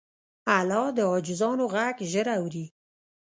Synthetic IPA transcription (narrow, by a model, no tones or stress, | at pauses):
alɑd̪əɑd͡ʒɪzɑnoɣaɡʒəɾawɾi